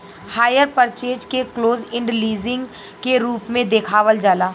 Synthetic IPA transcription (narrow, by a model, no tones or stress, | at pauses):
haːjəɾpəɾt͡ʃeːd͡ʒkekloːzɪ̃ɳɖliːzɪ̃ŋɡ | keɾuːpmẽd̪eːkʰaːʋəld͡ʒaːlaː